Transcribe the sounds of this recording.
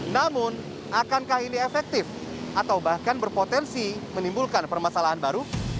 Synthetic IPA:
namʊn | akankahiniefɛk̚t̪ɪf | ʔat̪awbahkanbərpot̪ɛnsimənimbulkanpərmasalaɦanbaɾu

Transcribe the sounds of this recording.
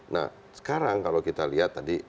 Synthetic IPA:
na̰h | sə̥kaɾaŋkalokit̪aliɦat̪ːadi

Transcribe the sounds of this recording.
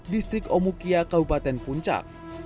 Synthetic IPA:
dist̪ɾɪkɔmukiakabupat̪ɛnpuɲt͡ʃa̰k̚

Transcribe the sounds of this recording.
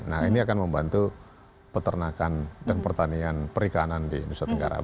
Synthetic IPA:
na̰hiniakanməmbant̪u | pət̪ərnakandanpərt̪anianpəɾikanandḭnusat̪əŋɡa̰ɾa̰

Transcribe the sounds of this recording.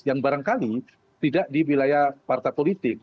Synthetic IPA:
jaŋbaɾaŋkali | t̪idaʔdiwilajahpart̪apolit̪ɪk̚

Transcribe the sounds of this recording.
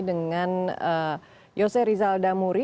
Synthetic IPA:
dəŋanə | josɛɾizaldamuɾi

